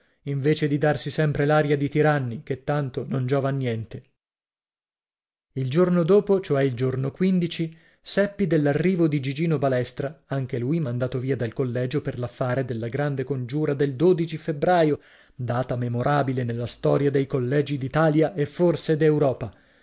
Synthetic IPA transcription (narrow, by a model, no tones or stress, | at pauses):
iɱveːt͡ʃed̪id̪arsisɛmpɾelaːɾjad̪it̪iɾanːiket̪ːant̪onond͡ʒɔːvanːjɛnt̪e | ild͡ʒornod̪oːpot͡ʃoɛild͡ʒornokwind̪it͡ʃi | sɛpːid̪elːarːiːvod̪id͡ʒid͡ʒiːnobalɛst̪ɾaaŋk̟elujmand̪aːt̪oviːad̪elkolːɛːd͡ʒoperlafːaːɾed̪elːaɡɾand̪ekond͡ʒuːɾad̪eld̪oːd̪it͡ʃifebɾaːjo | d̪aːt̪amemoɾʔaːbilenelːast̪ɔːɾjad̪ejkolːɛːd͡ʒid̪it̪aːljaʔefːorsed̪ewɾɔːpa